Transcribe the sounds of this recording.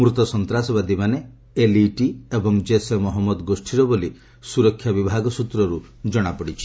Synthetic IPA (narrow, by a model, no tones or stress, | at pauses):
mɾut̪ɔsɔnt̪ɾasɔβad̪imane | eliʈiebɔŋd͡ʒesemɔɦɔmːɔd̪ɡosʈʰiɾɔboli | suɾɔkʰːjabibʱaɡɔsut̪ɾɔɾud͡ʒɔɽ̃apɔɽit͡ʃʰi̥